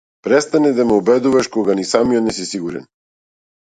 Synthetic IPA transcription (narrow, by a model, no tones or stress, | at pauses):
pɾɛst̪anɛd̪amɛɔbɛd̪uvaʃkɔɡanisamijɔt̪nɛs̬isiɡuɾɛ̰n